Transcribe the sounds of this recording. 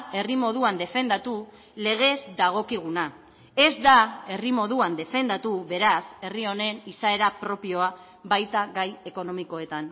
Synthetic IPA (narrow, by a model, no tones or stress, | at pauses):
e̞rimo̞ð̞uand̪e̞fe̞nd̪at̪u | le̞ɣ̞e̞zd̪aɣ̞o̞kiɣ̞una | e̞zd̪ae̞rimo̞ðuand̪e̞fe̞nd̪at̪uβe̞ɾase̞rio̞ne̞nisae̞ɾapɾo̞pio̞a | bajt̪aɣaje̞ko̞no̞miko̞e̞t̪an